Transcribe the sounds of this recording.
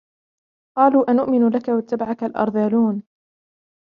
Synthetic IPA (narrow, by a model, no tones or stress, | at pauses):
qɑːluːʔanʊʔmɪnlakawat̪ːabaʕakalʔɑ̰ɾˤðaːluːn